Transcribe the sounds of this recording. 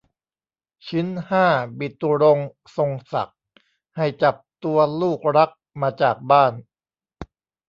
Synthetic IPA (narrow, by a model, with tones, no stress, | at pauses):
t͡ɕʰɯ˦˥nhaː˥˩bi˨˩t̪ːu˧ɾo˧ŋ | so˧ŋsa̰˨˩k̚ | ha˥˩jt͡ɕa˨˩p̚t̪u˧ɐluː˥˩k̚ɾa˦˥k̚maː˧t͡ɕaː˨˩k̚baː˥˩n